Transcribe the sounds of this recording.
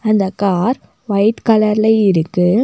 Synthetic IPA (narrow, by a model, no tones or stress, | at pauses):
ɐnd̪ɐkaːɾ | ʋɐɪʈkɐlɐɾɪlɐɪɪɾɯkːɯ